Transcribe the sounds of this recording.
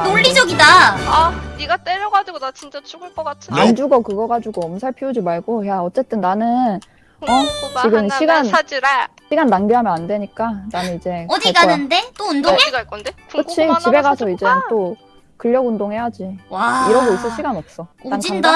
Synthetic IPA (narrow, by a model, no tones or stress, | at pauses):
noʎːid͡ʑʌɡidaaniɡat͈eɾjʌɡad͡ʑiɡodat͡ɕint͡ɕ͈at͡ɕuɡɯɭk͈ʌk͈atʰɯand͡ʑuɡʌkɯɡʌɡad͡ʑuɡoʌmsʰaɭpʰiod͡ʑimaɭɡojaʌt͡ɕ͈e̞t͈ɯnːanɯn | ʌt͡ɕiɡɯmɕʰiɡanad͡ʑiɾe | ɕʰiɡanːaŋɡiɦamjʌnandweɲik͈ananɯnid͡ʑe̞ʌd͡ʑaɡanɯnde̞t͈oundoeiɡaik͈ʌndeɯt͡ɕʰit͡ɕibe̞ɡasʰʌid͡ʑe̞tt͈o | kɯʎːʌɡundoŋɦe̞jad͡ʑiaiɾʌɡois͈ɯɭɕ͈ʰiɡanʌp̚s͈ʌad͡ʑianda